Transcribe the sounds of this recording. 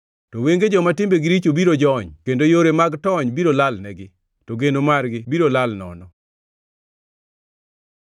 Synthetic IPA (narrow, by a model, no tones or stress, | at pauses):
toweŋɡed͡ʒɔmatɪmbeɡɪɾit͡ʃobiɾod͡ʒɔɲkendojoɾemaɡtɔɲbiɾolalnɛɡɪ | toɡenomarɡɪbiɾolalnɔ̰nɔ